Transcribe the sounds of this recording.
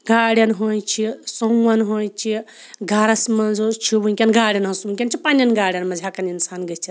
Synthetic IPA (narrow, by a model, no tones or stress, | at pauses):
ɡaːɽʲjɐnɦojt͡ʃʰisɐuwɐnɦoːjt͡ʃʰi | ɡʱaɾɐsmɐnzot͡ʃʰibuŋkʲɐnɡaːɽʲjɐnɦɐnsubuŋkʲɐnt͡ʃʰipanʲɐnɡaːɽjɐnmɐd͡ʒʱakɐninsaːnɡɐt͡ʃʰit̪